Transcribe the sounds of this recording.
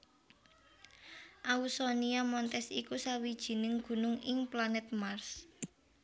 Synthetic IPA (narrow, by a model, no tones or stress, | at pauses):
ʔausɔniamɔnt̪ɛsikusawid̥ʒ̥i̤nɪŋɡ̥ṳnʊŋɪŋplanɛt̪̚mars